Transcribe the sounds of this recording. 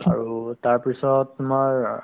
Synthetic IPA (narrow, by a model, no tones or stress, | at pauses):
a̰ɹutaɹpisɔtːumaɹ